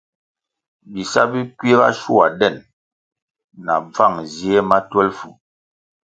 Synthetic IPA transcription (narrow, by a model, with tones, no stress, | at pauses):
bi˨sa˦bi˦kwi˦e˦ba̰˦ʃu˦˨a˨dɛ˦˨n | na̰˨b͡va˦˨ŋzi˦ɛ˦ma˦twɛ˦lfu˨